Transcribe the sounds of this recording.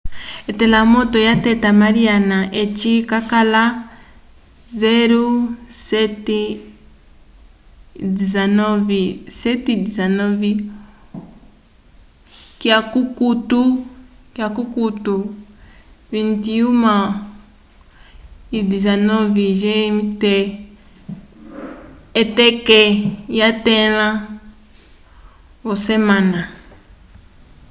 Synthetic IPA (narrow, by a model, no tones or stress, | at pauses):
ɛtɛlamɔtɔjatɛtamaɾianaʔet͡ʃikakala | zɛɾusɛtɛ | dizanɔvisɛtidizanɔvi | kjakukutu | kjakukutu | vintiuma | idizanɔviʒɛmtɛ | ɛtɛkɛjatɛlã | βɔsɛmana